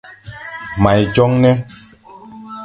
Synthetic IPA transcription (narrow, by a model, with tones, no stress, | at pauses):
ma˨jd͡ʒɔ˦ŋnɛ˦